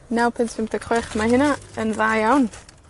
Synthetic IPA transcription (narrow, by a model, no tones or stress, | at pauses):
nawpʰɪntsɪmdəkʰχɛχmaɦɪnaənðajawn